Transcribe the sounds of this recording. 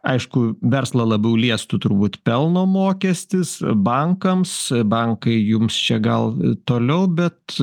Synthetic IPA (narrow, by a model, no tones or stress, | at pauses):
ɐɪʃkʊʋʲɛrslˠɐlˠɐbɛʊlʲiɛst̪ʊt̪ʊɾbuːt̪pʲɛlˠnoːmoːkʲɛsʲt̪ʲɪsbɐŋkɐmsbɐŋkɐɪjʊmst͡ʃʲɛɡɐlˠt̪oːlʲɛʊbʲɛt̪